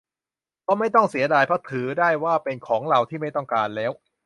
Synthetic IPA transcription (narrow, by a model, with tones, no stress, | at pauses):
kɔː˥˩ma˥˩jt̪ɔ˥˩ŋsi˨˩˦ɐdaː˧jpʰa˦˥t̪ʰɯː˩˦daː˥˩jwaː˥˩pe˧nkʰɔː˩˦ŋɾa˧wt̪ʰiː˥˩ma˥˩jt̪ɔ˥˩ŋkaː˧nlɛː˦˥w